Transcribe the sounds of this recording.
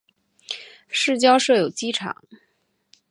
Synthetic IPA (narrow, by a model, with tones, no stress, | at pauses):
ʂɻ̩˥˩t͡ɕjɑ˥ʊʂɤ˥˩jo˨˩ʊt͡ɕi˥ʈ͡ʂʰɑ̰˨˩˦ŋ